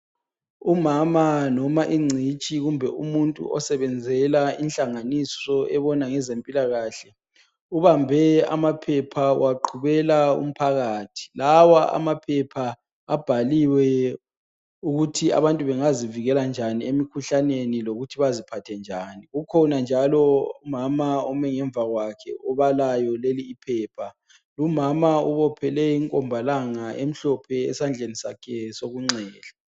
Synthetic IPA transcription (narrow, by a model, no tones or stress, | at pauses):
umamanɔmaʔiŋ͡ǀʱit͡ʃʼiɣumbʱɛumuntʼṵʔɔsɛβɛnd͡zʱɛlainɬʼaŋanisɔʔɛβɔnaŋɛzempʼilaɣaːɬɛ | uβambʱɛa̰mapʰɛpʰawaǃʰuβɛlaṵm̩pʰaɣaːtʰi̥lawaʔa̰mapʰɛpʰaː | b̥ʱaliwɛ | uɣutʰia̰βantʼuβɛŋaziviɣɛland͡ʒʱaniemikʰuɬaneniloɣutʰiβazipʰatʰɛnd͡ʒʱaːniɣukʰɔnand͡ʒʱalɔumamaɔmɛŋɛɱvaɣwakʰɛ̰ɔβalajɔleliːpʰɛːpʰa | lumamauβɔpʰɛlɛiŋkʼɔmbʱalaŋaʔem̩ɬɔpʰɛ̰ːsand͡ɮʱenisakʰɛsoɣuŋ͡ǀɛːɮa